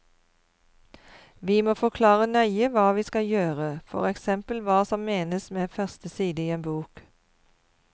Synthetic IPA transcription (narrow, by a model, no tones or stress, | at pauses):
ʋiːmoːfɔkʰlɑːʁənœʏəʋɑːʋiːskɑjøːʁəfɔ̰ʁɛksɛmpəl̩ʋɑːsɔmmeːnəsmeːfœʁst̪əsiːd̪əiːeːnbuːk